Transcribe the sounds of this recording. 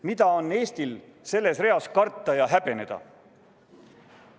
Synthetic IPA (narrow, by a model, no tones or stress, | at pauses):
mid̪ɑo̞nːe̞ːst̪ilse̞lːe̞sre̞ɑskɑrt̪ːˑɑjɑɦæb̥e̞ne̞d̪̥ɑ̰